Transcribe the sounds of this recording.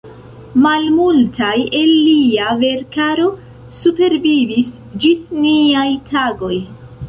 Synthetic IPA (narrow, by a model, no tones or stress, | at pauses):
malmultʰajelːiave̞ɾkaɾo̞ | supe̞ɾvivis | d͡ʒisniajtʰaɡo̞j